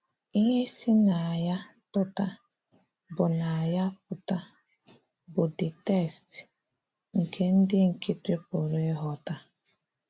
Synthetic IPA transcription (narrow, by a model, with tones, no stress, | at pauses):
i˦ɦe˦si˦na˨a˨ja˦ | tʊ˦ta˦ | bʊ˨na˨ja˦p̚ʊ˨ta˦ | bʊ˨dɪ˨te˦˨st | ŋ̩˨kʰe˦n̩˦dɪ˦ŋ̩˨kɪ˦tɾɪ˦pʊ˨ɾɪ˦ɦɔ˦ta˦